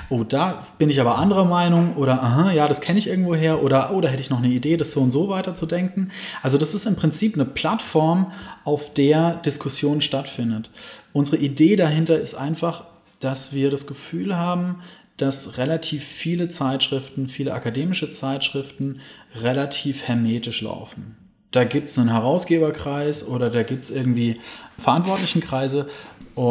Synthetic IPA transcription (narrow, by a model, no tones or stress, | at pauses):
ʔoːd̥aː | b̥ɪnɪçaːbɐʔandəʁɐmaɪnʊŋʔoːɾɐʔəɦãjaːɾaskʰɛnəɪçʔɪɐɡŋ̩tv̥oːɦeːɐʔoːɾɐʔoːɾaːɦɛtəɪçnɔχnəideːdasz̥oːʊntz̥oːvaɪtɐt͡sudɛŋkŋ̩ʔalzodasɪstɪmpʁ̥ɪnt͡siːpnəpʰl̥atfɔɐmʔaʊfd̥eːɐd̥ɪskʰʊsjoːnʃtatfɪndətʔʊnzəʁəʔideːdaɦɪntɐɪstʔa̰ɪnfaχ | d̥asv̥iːɐɾasɡ̥əfyːlɦaːbm̩d̥asʁelatʰiːfːiːlət͡saɪtʃʁ̥ɪftn̩fiːləʔakadeːmɪʃət͡saɪtʃʁ̥ɪftn̩ʁelatʰiːfhɛɐmeːtɪʃla̰ʊfn̩ | d̥aːɡiːp̚tsnənɦɛʁ̞aʊsɡ̥eːbɐkʁ̥aɪsʔoːɾɐdaːɡiːp̚tsʔɪɐɡŋ̩tv̥iːfɛɐʔantv̥ɔɐtlɪçn̩kʁ̥aɪzəʔʊ